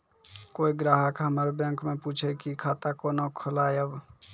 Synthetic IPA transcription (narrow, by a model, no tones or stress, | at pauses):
koːiɡɾaːɦəkɦəməɾbjə̃ŋkmẽput͡ʃʰɛkikʰaːt̪akonokʰolaːjəb